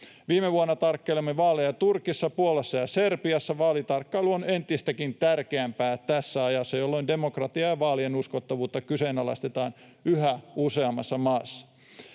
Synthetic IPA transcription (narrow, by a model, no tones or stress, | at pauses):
ʋiːmeʋuonːɑt̪ɑrkːeilemːeʋɑːlejɑt̪urkisːɑpuolesːɑjɑserpiɑsːɑʋɑːlit̪ɑrkːɑiluone̞nt̪ist̪ækint̪ærkeæmpæːt̪æsːæɑjɑsːɑjolːoinde̞mokrɑt̪iɑjɑʋɑːlienuskot̪ːɑʋuːt̪ːɑkysenɑlɑ̰st̪et̪ɑːn | yhæuseɑmːɑsːɑmɑːsːɑ̥